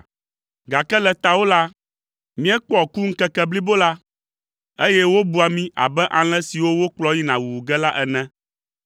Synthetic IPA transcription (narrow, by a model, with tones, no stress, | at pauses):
ɡa˨kɛ˦lɛ˨t̪a˨wo˦la˦ | mĩ˦ɛ˦k͡pɔ˨ku˦ŋ̩˦kɛ˦kɛ˦bli˦bo˦la˦ | e˦jɛ˦wo˦bu˦a˨mĩ˦ʔa̰˨bɛ˦ʔã˨l̃ɛ̃˦si˨wo˦wo˦k͡plɔ˦ji˦nã˨wu˨wu˨ɡɛ˦la˦ʔɛ˨nɛ̃˦